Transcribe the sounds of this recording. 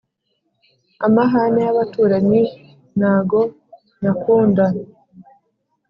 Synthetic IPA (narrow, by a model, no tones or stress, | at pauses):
amaɦanejaβatuːɾaɲi | n̥haːɡo̞ | nakuːnda